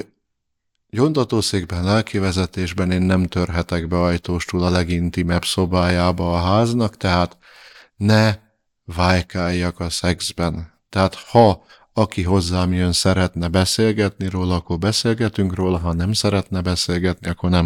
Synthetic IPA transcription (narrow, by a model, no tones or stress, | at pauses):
jo̞nt̪ɒt̪oːseːɡbɛnlɛlkivɛzɛt̪eːʒbɛneːnːɛmt̪ørɦɛt̪ɛɡbɛɒjt̪oːʃt̪uːlɒlɛɡint̪imɛpso̞baːjaːbɒːɦaːznɒkt̪ɛɦaːt̪ | nɛ | vaːjkaːjːɒkɒsɛɡzbɛnt̪ɛɦaːt̪hɒ | ɒkiɦo̞zːaːmjønsɛɾɛt̪nɛbɛseːlɡɛt̪niɾoːlɒɒkorbɛseːlɡɛt̪yŋkroːlɒɦɒnɛmsɛɾɛt̪nɛbɛseːlɡɛt̪niɒkːornɛm